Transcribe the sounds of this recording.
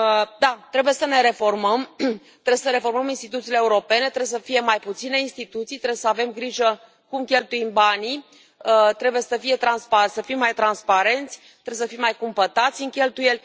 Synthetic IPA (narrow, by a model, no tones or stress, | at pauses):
d̪at̪ɾe̞buje̞səne̞ɾe̞fo̞rməm | t̪ɾeesəɾe̞fo̞rməminst̪it̪ut̪siːleːuɾo̞pe̞ne̞t̪ɾes̬əfije̞majput̪sine̞inst̪it̪ut̪sijt̪ɾebwjsəave̞mɡɾiʒə | kumkʲe̞lt̪uimbani | t̪ɾe̞buje̞səfije̞t̪ɾanspasəfimːajt̪ɾanspaɾe̞nt̪sʲt̪ɾewesəfimːajkumpət̪at̪sʲɨŋkʲe̞lt̪uje̞lʲ